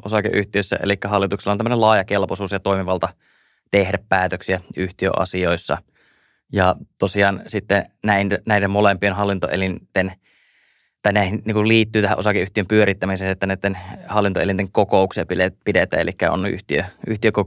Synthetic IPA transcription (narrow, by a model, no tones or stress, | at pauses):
ʔosɑkḛʔyht̪iøsːæ̰ʔḛlikːæhɑlːit̪ukselɑnt̪æmːənelɑːjɑkelposuːsjɑt̪oimiʋɑlt̪ɑ | t̪ehdæppæːt̪øksiæyht̪iø̰ʔɑ̰sioisːɑ̰ | jɑt̪osiɑːnsit̪ːenæinnæidemmolempienɦɑlːint̪o̰ʔḛlint̪en | t̪ɑinæˑihinniːŋkulliːt̪ːyːt̪æhæ̰ʔosɑkeʔyht̪iømpyøɾit̪ːæmiseːnet̪ːæneˑit̪ːenhɑlːint̪oḛlint̪eŋkokouksiepilepidet̪æ̰ḛlikːæo̰nnʔy̰ht̪iø̰ʔyht̪iøko